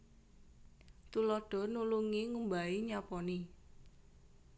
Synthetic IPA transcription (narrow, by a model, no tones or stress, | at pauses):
t̪ulɔɖ̥ɔ̤nuluŋiŋumbaiɲapɔni